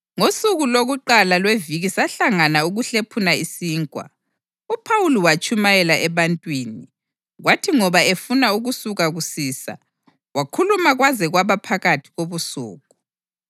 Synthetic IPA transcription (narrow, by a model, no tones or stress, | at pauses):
ŋosuɣuloɣuǃalalweviɣisaɬaŋanauɣuɬepʰunaisiːŋkʼwa̰ | upʰawuliwat͡ʃʼʰumajɛlaʔɛβantʼwiːni | ɣwatʰiŋɔβaefunauɣusuɣaɣusiːsa̰ | wakʰulumaɣwazɛɣwaβapʰaɣatʰi̥ɣoβusṵːɣʼu